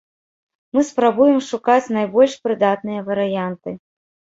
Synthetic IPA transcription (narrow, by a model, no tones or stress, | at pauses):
mɨspɾabujɛmʂukat͡sʲnajbɔlʲʂpɾɨd̪at̪nɨjɐvɐɾɨjant̪ɨ